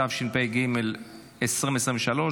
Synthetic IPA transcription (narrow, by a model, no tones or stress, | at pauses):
avʃinpejɡimel | esʁimesʁimeʃalo̞